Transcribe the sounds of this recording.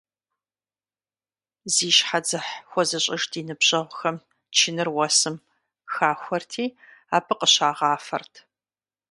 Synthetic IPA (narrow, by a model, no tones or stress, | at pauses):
ziːʃħad͡zɨħxʷɔzɐɕʼɐʒdiːnɨbɕʼɐʁʷʊxɐm | t͡ʃʰɪnɨrwɐsɨm | xaːxʷɔrtʰiːaːpʰɨqʼəɕaːʁɑːfɐ̰rtʰ